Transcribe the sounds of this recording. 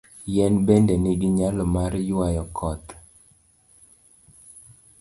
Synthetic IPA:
jɛnbɛndɛnɪɡɪɲalɔmaɾjwajɔkʰɔt̪

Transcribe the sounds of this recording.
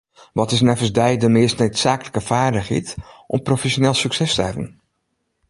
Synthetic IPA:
ʋɔtɪsnɛfəsdɛjdəmɪəstnəɥtsaːkələkəfaːɹdəχḛtʔɔ̰mprofɛsonɛlˠsyksɛstəhɛvə̰n

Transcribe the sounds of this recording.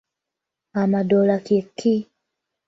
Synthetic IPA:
amadɔlakikʰːi

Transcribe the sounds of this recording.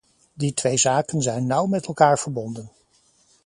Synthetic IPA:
ditʋejzaːkənzɛjnːʌwmɛtɛlˠkaːɹv̥əɹbɔndən

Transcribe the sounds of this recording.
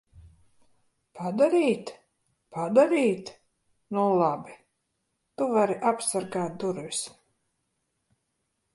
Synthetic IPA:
pʰad̪aɾiːt̪ | pad̪aɾiːt̪ | nulˠabi | t̪uvaɾiʔapsaɾɡaːt̪̚d̪uɾvis

